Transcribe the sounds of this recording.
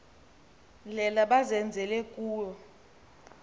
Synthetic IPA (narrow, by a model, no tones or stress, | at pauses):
lɛlaɓazɛnd͡zʱɛlɛkʼuːjɔ